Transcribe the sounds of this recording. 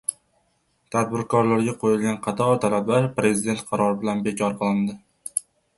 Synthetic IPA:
t̪ʰad̪̚bɪɾkʰɒɾlaɾɡʲaqʰojɪlɡʲanqʰɑt̪ʰɒɾt̪ʰalablaɾpɾe̞zɪd̪e̞nt̪̚qʰɑɾɒɾɪbɪlanbe̞kʲʰɒɾqɨlˠɪnd̪ɪ

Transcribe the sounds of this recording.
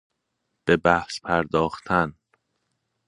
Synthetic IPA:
b̥e̞bæhspʰæɾd̪ɒːxt̪ʰæn

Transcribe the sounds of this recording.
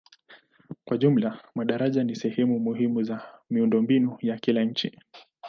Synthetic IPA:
kwaʄum̩lamaɗaɾaʄanisɛhɛmumuɦimuzamiundɔmbinujakilaɲ̩t͡ʃḭ

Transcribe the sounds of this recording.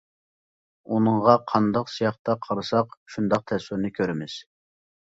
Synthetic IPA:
unɨŋʁɑqʰɑnd̪ɑqsijɑχt̪ɑqʰɑɾɨsɑqʃund̪ɑq̚t̪ʰɛswɪɾnɨkʲʰøɾɪmɪz̥

